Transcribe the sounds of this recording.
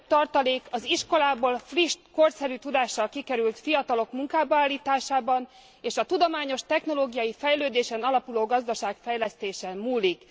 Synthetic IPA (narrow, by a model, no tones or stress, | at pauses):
t̪ɒrt̪ɒleːkɒziʃko̞laːboːlfriʃt̪ko̞rsɛɾyt̪ud̪aːʃːɒlkikɛɾylt̪fijɒt̪ɒlo̞kmuŋkaːbɒaːlːiːt̪aːʃaːbɒn | eːʃɒt̪ud̪omaːɲo̞ʃt̪ɛxno̞loːɡijɒjifɛjløːd̪eːʃɛnɒlɒpuloːɡɒzd̪ɒʃaːkfɛjlɛst̪eːʃɛmmuːlik